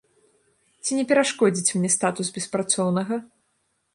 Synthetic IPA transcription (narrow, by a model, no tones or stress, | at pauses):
t͡sʲinʲɛpʲɛɾaʂkɔd͡zʲit͡sʲmʲnʲɛst̪at̪usbʲɛspɾat̪sɔwnɐɣɐ